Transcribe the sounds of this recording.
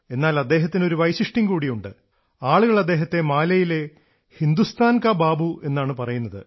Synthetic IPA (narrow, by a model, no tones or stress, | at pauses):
e̞nːaːlɐd̪ːe̞ːɦɐt̪ːino̞ɾuʋɐjsiʂʈiŋkuːɽijuɳɖɨ | aːɭuɣɐɭɐd̪ːe̞ːɦɐt̪ːe̞maːlɐjile̞ | hind̪ust̪ʰaːnkabaːbuʔe̞nːaːɳɨpɐrɐjunːɐðɨ̰